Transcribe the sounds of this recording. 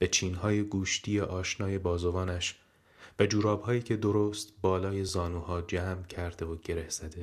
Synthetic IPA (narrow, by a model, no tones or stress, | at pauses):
b̥e̞t͡ʃʰiːnɦɒːjeɡuːʃt̪ʰiːeʔɒːʃnɒːje̞bɒːzo̞vɒːnæʃ | væd͡ʒuːɾɒːb̥hɒːjiːcʰe̞d̪oɾoːst̪bɒːlɒːje̞zɒːnuːhɒːd͡ʒæːmcʰæɾd̪e̞voɟe̞ɾehz̥æd̪e